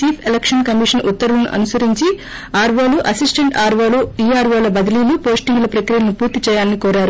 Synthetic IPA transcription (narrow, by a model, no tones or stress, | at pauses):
t͡ʃiːpʰelekʂɐnkɐmiʂɐnʔut̪ːɐɾulɐnṵʔɐ̰nusɐɾiɲt͡ʃi | aːɾʋoːluʔɐsisʈeɳʈaːɾʋoːluiːaːɾʋoːlɐbɐd̪ɐliːlupo̞ːsʈiŋɡlɐpɾɐkɾijɐnupuːɾt̪it͡ʃɛːjaːnːikoːɾaːɾu